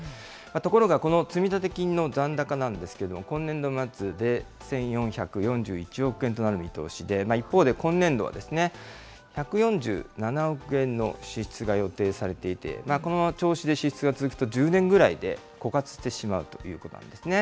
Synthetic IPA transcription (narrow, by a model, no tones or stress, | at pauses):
mat̪o̞ko̞ɾo̞ɡako̞no̞t͡sɨmʲit̪at̪e̞kʲino̞d͡zãnd̪akanãnd̪e̞sɨ̥ke̞ɾe̞d̪o̞mokõ̞nːẽ̞nd̪o̞mat͡sɨd̪e̞ | sẽ̞ɰ̃jõ̞ɰ̃çakɯ̟jõ̞ɲ̟d͡ʑɨːit͡ɕio̞kɯ̟ẽ̞nt̪o̞naɾɯ̟mʲit̪o̞̰ːɕid̪e̞maipːo̞ːd̪e̞kõ̞nːẽ̞nd̪o̞βa̰d̪e̞sɨne̞ | çakɯ̟jõ̞ɲ̟d͡ʑɨ̰ːnanao̞kɯ̟ẽ̞nːo̞̰ɕiɕi̥t͡sɨɡajo̞t̪e̞ːsaɾe̞t̪e̞it̪e̞̰mako̞not͡ɕo̞ːɕid̪e̞ɕiɕi̥t͡sɨɡat͡sɨzɨkɯ̟̥t̪od͡ʑɨːnẽ̞ŋɡɯ̟ɾaid̪e̞̰ | ko̞kat͡sɨ̥ɕt̪e̞ɕima̰ɯ̟t̪o̞̥̰jɯ̟ːko̞t̪o̞nã̰nd̪esɨne̞